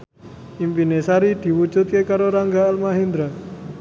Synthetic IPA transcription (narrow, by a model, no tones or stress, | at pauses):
impinesaɾid̪̥i̤wu̥ʒ̥ṳt̪̚kekaɾoɾaŋɡaːlmaɦind̪ɾa